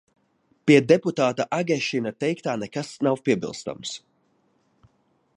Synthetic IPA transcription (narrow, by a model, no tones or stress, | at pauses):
piɛd̪ɛput̪aːt̪aʔaɡʲɛʃinat̪ɛjkt̪aːnɛkasnawpiɛbḭlˠst̪a̰ms